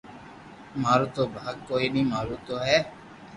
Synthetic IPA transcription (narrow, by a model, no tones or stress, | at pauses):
maɾut̪obʱaːɡ̚koenimaːɾut̪oɦɛ